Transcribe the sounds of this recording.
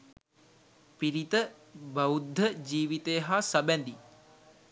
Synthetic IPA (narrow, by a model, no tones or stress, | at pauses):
piɾit̪ə | bɐud̪ʱːəd͡ʒiːʋit̪ejəɦasabɛnd̪i